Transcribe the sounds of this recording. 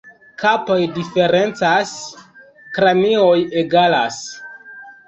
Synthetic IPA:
kapojdife̞ɾent͡sas | kɾamiojeɡalas

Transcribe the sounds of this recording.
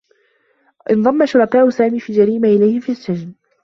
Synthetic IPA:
ʔɪnðˤɑmːaʃʊɾˤɑkaːʔʊsaːmiːfiːd͡ʒaɾiːmaʔɪlajhɪfiːsːad͡ʒn

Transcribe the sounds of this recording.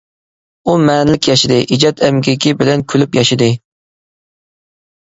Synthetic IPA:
umɛːnɪlɪkʲʰjɑʃɪd̪ɨʔid͡ʒɑt̪ʰɛmɡʲikʲibɪlɛnkʲʰylypjɑʃɪd̪ɨ

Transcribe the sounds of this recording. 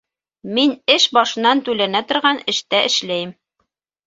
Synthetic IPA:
minɘʃbɑʃɤ̆nːɑnt̪ʉlænæt̪ŏɾʁɑnɘ̆ʃt̪æʔɘ̆ʃlæjɘm

